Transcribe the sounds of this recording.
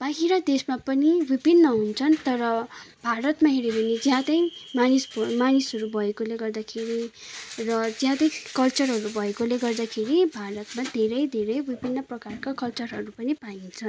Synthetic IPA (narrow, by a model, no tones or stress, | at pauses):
b̥aɦiɾʌd̪esmapʌniwibinːʌɦunt͡sʰʌnt̪ʌɾʌbʱaɾʌt̪maɦeɾibʌnid͡zjɦãt̪ʌjmanisbmanisɦʌɾubʱʌekoleɡʌrd̪akʰeɾi | rʌd͡zjɦãt̪ʌjkʌlt͡sʌrɦʌɾubʱʌekoleɡʌrd̪akʰeɾibʱaɾʌt̪mad̪ʱeɾʌjd̪ʱeɾʌjbipinːʌprʌkarkakʌlt͡sʌrɦʌɾupʌnipaint͡sʰʌn